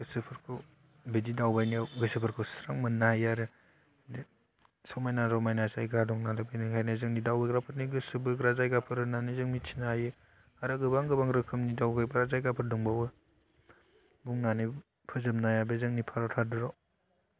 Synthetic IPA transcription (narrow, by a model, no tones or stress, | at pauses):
ɡɯsɯpʰɯɾkʰɯw | bedidawbajniawɡɯsɯpʰɯɾkʰɯwsɾaŋmɯnːahajaɾɯ | de | sɔwmajnaɾɔmajnasajɡadɔŋnalɯbinɯhʰajnazɯŋnidawbeɡɾapʰɯɾniɡɯsɯbɯɡɾazajɡapʰɯɾɯnanizɯŋmitʰinahajɯ | aɾɯɡɯbaŋɡɯbaŋɾɯkʰɯmnidawɡajbaɾazajɡapʰɯɾdɔŋbawɯ | buŋnanɯ | pʰɯzɯmnajabezɯŋnipʰaɾɔtʰadɯɾɔ